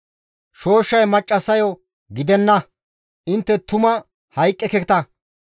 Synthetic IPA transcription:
ʃo̞ːʃːɐjmɐt͡ʃʼːɐsɐjo | ɡɪd̪ɛnːɐ | ʔɪnt̪ːɛt̪ʊmɐ | hɐjkʼːɛkɛt̪ɐ

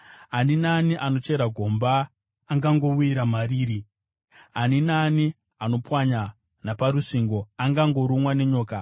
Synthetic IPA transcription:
aninaːniʔano̞t͡ʃe̞ɾaɡʱo̞mbaː | ŋɡaŋɡo̞uiɾamariːɾi | aninaːni | ano̞pwaɲa | napaɾuʂiŋɡo̞aŋɡaŋɡo̞ɾumwane̞ɲo̞ːka

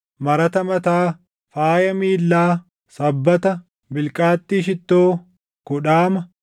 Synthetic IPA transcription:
mɐɾɐt̪ɐmɐt̪aː | faːjɐmiːlːaː | sɐbːɐt̪ɐ | bɪlkʼaːt̪ːiːʃɪt̪ːoː | kʊᶑaːmɐ

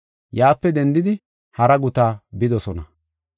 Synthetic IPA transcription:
jaːpːɛd̪ɛnd̪ɪd̪ɪ | hɐɾɐɡʊt̪aːbɪd̪ɔsɔnɐ

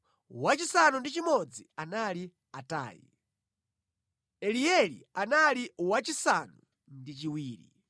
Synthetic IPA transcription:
wat͡ʃisanundit͡ʃimɔd͡zianali | ata̰ːjḭ | ɛliɛlḭanaliwat͡ʃisanu | ndit͡ʃiwiːɾḭ

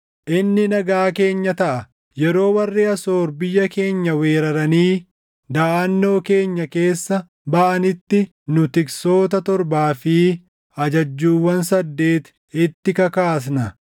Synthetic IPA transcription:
ʔɪnːɪnɐɡaːke̞ːɲːɐt̪ɐʔɐ | jɛɾo̞ːwɐrːeːɐso̞ːɾbɪjːɐke̞ːɲːɐwe̞ːɾɐɾɐniː | d̪ɐːɐnːo̞ːke̞ːɲːɐke̞ːsːɐ | bɐʔɐnɪt̪ːɪ | nʊt̪ɪkso̞ːt̪ɐt̪ɔɾbaːfi | ɐd͡ʒɐd͡ʒːuːwːɐns̬ɐd̪ːe̞ːt̪ | ɪt̪ːɪkɐkaːs̬nɐ

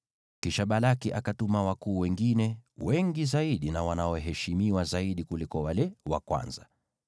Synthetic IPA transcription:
kiʃaɓalakiʔakatumawakuːwɛŋɡinɛwɛŋɡizaiɗinawanaɔɦɛʃimiwazaiɗikulikɔwalɛwa̰kwa̰nza

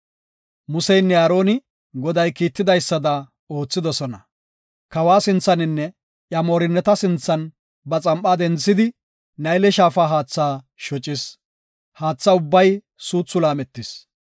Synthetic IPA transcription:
mʊsɛjnːɛɐːɾo̞ːnɪ | ɡɔd̪ɐjkiːt̪ːɪd̪ɐjsːɐd̪ɐ | o̞ːt͡sːɪd̪ɔsɔnɐ | kɐwaːsɪnt͡sːɐnɪnːɛ | ʔjɐmoːɾɪnːɛt̪ɐsɪnt͡sːɐn | bɐt͡sʼɐmpʼːaːd̪ɛnt͡sːɪd̪ɪ | nɐjlɛʃaːfaːɦaːt͡sːaː | ʃɔt͡ʃʼːɪs | haːt͡sːɐʊbːɐj | suːt͡sːʊlaːmɛt̪ːɪs

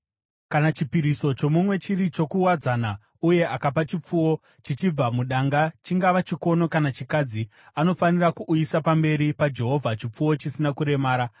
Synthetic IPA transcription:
kanat͡ʃipiɾiso̞t͡ʃo̞mumwe̞t͡ʃirit͡ʃo̞kuwad͡zana | uje̞ʔakapat͡ʃip͡fuwo̞ | t͡ʃit͡ʃib͡vamuɗaŋɡat͡ʃiŋɡaʋat͡ʃiko̞no̞kanat͡ʃikad͡zi | ano̞fanirakuʔːjisapambe̞ɾipad͡ʒe̞ɦo̞vʱat͡ʃip͡fuwo̞t͡ʃisinakuɾe̞maːɾa

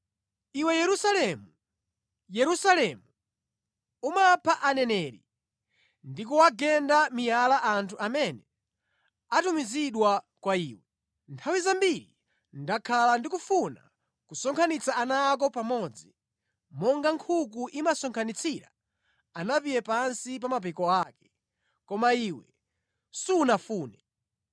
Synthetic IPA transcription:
iwɛjɛɾusalɛmu | jɛɾusalɛmu | umapʰaʔanɛnɛːɾḭ | ndik̬uwaɡɛndamijalaʔantʰuʔamɛnɛ | atumiziɗwa | kwaiːwɛ | ntʰawizambiɾḭ | ndakʰalandikufuna | kusɔŋkʰanit͡saanak̬ɔpamɔd͡zi | mɔŋɡaŋkʰuk̬uʔimasɔŋkʰanit͡sʰiɾa̰ | anapijɛpansip̬amap̬ɛkɔakɛ̥ | kɔmaiːwɛ | sunafuːnɛ

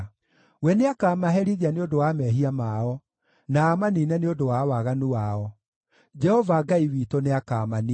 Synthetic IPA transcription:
wɛneakaːmaɦɛɾiðianeodowamɛɦiamaɔ | naːmaniːnɛneodowawaɣanuaɔ | d͡ʒɛhɔvaɡaiwitoneakamani

